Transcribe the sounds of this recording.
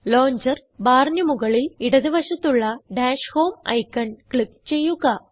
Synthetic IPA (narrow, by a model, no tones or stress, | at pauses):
loːɲd͡ʑɐɾ | baːɾnjɐmʊɣɐɭɪlɪɽɐðɯʋɐʂɐt̪ːuɭːɐɖaːʂhoːmɐ̰jkːɐnkɭɪk̚t͡ɕejːuɣaː